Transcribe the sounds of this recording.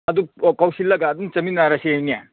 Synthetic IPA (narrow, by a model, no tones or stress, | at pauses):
ɐdukawsilːɐɡaːdumt͡ʃɐminaɾɐseejnija